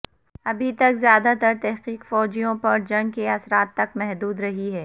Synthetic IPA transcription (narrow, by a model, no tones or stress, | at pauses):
ɐbʱit̪ɐkzjaːd̪at̪ɐɾt̪ɛɦqiːqfɔːd͡ʒijõpɐɾd͡ʒɐ̃ŋɡkeɐsɾaːt̪ːɐkmɛɦd̪uːd̪ɾɐɦiɦɛː